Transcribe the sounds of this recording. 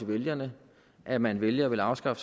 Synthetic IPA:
eʋeljɐnə | ʔæmænʋeljəɒʋe̝lɑ̈ʊsɡ̥ɑ̈fə̥

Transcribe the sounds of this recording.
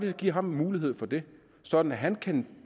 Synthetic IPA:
d̥iɡ̥iɐ̰ɦɑ̈mmuːliɦe̝ð̰ˠfɒ̽d̥e̝ | sɒ̽d̥n̩æɦænkʰæn

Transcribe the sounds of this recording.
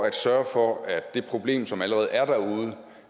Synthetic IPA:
æd̥sɶɐfɒ̽æd̥ːe̝pʰʁo̝b̥le̝̰ːmsɒ̽mæləʁɛːð̞̩ˠæɐɾ̥æɐuð̞ˠə

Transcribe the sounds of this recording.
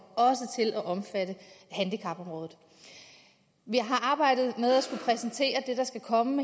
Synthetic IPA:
ɒ̽s̬ət͡sʰe̝lʔæʔɒ̽mfædəhænd̥ikʰɑ̈b̥ɒ̽mʁɔːðð̩ˠ | ʋiɦɑ̈ʔɑ̈ːb̥ɑ̈ɪ̰d̥ð̩ˠmeð̞ˠæsɡ̥upʰʁɛsən̩t͡sʰe̝̰ːɐd̥e̝d̥ɑ̈sɡ̥ækʰɒ̽məme

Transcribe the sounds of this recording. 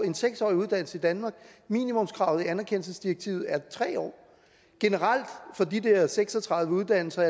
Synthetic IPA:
e̝nseɡ̥sɒ̰ːiuð̞ˠd̥æn̰l̩səid̥ænmɑ̈ːɡ̥miːnimɔ̽mskʰʁɑ̈ʊð̞̩ˠiænæɐkʰen̰l̩səsd̥iɐɡ̥̚t͡sʰiʊð̩ˠæɐt͡sʰʁɛ̰ːɒ̰ː | ɡ̥e̝nəʁal̰d̥fɒ̽d̥id̥eɐseɡ̥sɒ̽t͡sʰʁɑ̈ðˠʋəuð̞ˠd̥æn̰l̩sɐæɐ

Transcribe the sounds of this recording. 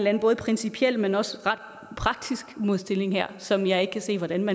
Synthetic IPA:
nlænb̥ɔ̽ːð̩ˠpʰʁɛnsipʰiel̰menɒ̽səʁɑ̈d̥ | pʰʁɑ̈ɡ̥̚d̥isɡ̥mo̝ð̞ˠsd̥e̝le̝ŋhæɐ̰sɒ̽mjɑ̈ɪe̝ɡ̥əkʰæse̝̰ːʋɒɾ̥ænmæ

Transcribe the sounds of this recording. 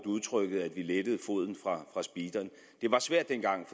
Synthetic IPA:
d̥uð̞ˠt͡sʰʁœɡ̥əð̩ˠæd̥ʋiled̥əð̞̩ˠfo̝ð̞̰ˠn̩fʁɑ̈fʁɑ̈sb̥iːd̥ɐn | d̥e̝ʋɑ̈sʋæɐ̰d̥ːenɡ̥ɑ̈ŋ̰f

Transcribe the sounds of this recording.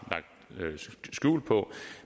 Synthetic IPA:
lɑ̈ɡ̥̚d̥ | sɡ̥ṵːlpʰɒ̽

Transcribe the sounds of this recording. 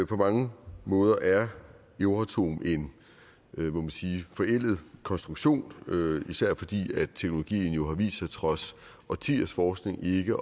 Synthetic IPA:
pʰɒ̽mɑ̈ŋəmɔ̽ːð̞ˠɐʔæɐ | eʊʁat͡sʰo̝̰ːmʔe̝n | momænsiːfɒ̽el̰ð̩ˠkʰɒ̽nsd̥ʁuɡ̥ɕo̝̰ːnøisæɐ̰fɒ̽d̥ḭːæ̥t͡sʰeɡ̥nolo̝ɡ̥ḭːn̩jo̝ɦɑ̈ʋḭːsɑɪt͡sʰʁɒ̽s | ɒ̽t͡sʰiɐsfɒːsɡ̥ne̝ŋe̝ɡ̥ə

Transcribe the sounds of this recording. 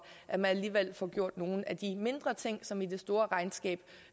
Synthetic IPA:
ʔæmænæliːʋel̰fɒɡ̥jo̝ɐ̰d̥no̝ːn̩æd̥ime̝nd̥ʁɐt͡sʰe̝ŋ̰sɒ̽mid̥e̝sd̥o̝ːɐʁɑ̈ɪnsɡ̥ɛ̰ːb̥

